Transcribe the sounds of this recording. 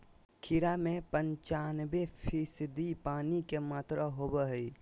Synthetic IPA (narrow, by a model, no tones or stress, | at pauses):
kʰɪɾamẽpə̃ɲt͡ʃaːnbepʰiːsɪd̪ipaːnikemaːt̪ɾaɦoːbəɦi